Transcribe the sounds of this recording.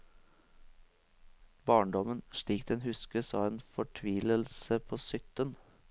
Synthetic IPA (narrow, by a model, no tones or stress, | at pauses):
bɑːɳɖɔmənʃɭiːk̚d̪̥ɛnhʉskəsɑ̰ːeːnfɔʈʰʋiːləlsəpʰoːsʏt̪ən